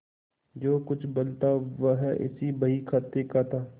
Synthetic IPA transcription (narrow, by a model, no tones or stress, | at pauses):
d͡ʒoːkʊt͡ʃʰbəlt̪aːʋəɦɛʔɪ̰siːbəiːkʰaːt̪ekaːt̪aː